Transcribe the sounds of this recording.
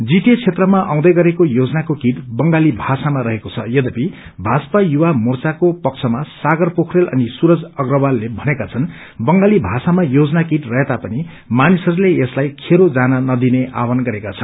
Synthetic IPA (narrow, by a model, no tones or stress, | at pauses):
d͡zit̪jet͡sʰet̪rʌmaʔa̰w̃d̪ʌjɡʌɾekojod͡zʌnakokiʈbʌŋɡalibʱasamaɾʌɦekot͡sʰʌjʌd̪ʌpi | bʱaspajuwamurt͡sakopʌkt͡sʰʌmasaɡʌrpokʰrelʌ̰nisuɾʌd͡zʌɡrʌbalːebʱʌnekat͡sʰʌn | bʌŋɡalibʱasamajod͡zʌnakiʈrʌɦet̪apʌni | manisʌɾuleeslajkʰeɾod͡zanʌnʌd̪ineʔa̰wʌnɡʌɾekat͡sʰʌn